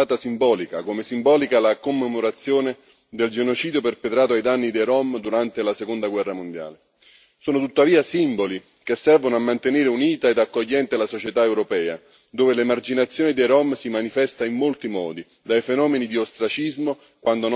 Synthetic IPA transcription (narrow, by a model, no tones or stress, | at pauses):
aːt̪asimbɔːlikakomesimbɔːlikalakomːemoɾat̪sːjoːne | d̪eld͡ʒenot͡ʃiːd̪joperpet̪ɾaːt̪oajd̪anːid̪ejɾɔmd̪uɾant̪elasekond̪aɡwɛrːamond̪ja̰ːle | soːnot̪ut̪ːaviːasimboli | kesːɛrvonoamːant̪eneːɾeuniːt̪aed̪akːoʎːɛnt̪elasot͡ʃet̪aewɾopɛːa̰ | d̪oːvelemard͡ʒinat̪sːjoːnid̪ejɾɔmsimanifɛst̪aimːolt̪imɔ̰ːd̪i | d̪ajfenɔːmenid̪iost̪ɾat͡ʃizmo | kwʔand̪on